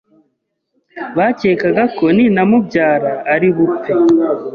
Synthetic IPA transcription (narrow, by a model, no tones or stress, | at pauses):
βace̞ːkaɡako̞ninamubɟaːɾaːɾiβupi